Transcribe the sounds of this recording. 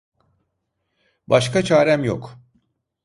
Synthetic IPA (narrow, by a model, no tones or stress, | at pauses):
baʃkʰat͡ʃʰaːɾæmjo̰k